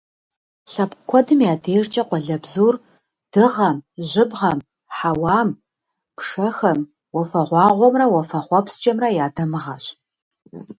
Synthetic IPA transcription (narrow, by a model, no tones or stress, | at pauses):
ɬɐpʼkʷʰɔdɨmjaːdeːʐt͡ʃʼɐqʷɔɮɐbzuːr | d̥ɨʁɐmʑɪbʁɐm | ħawɑːm | pʂɐxɐm | wɔfɐʁʷɑːʁʷɔmrɐwɐfɐχʷɔpst͡ʃʼɐmrɐjaːdɐmɨʁɐɕ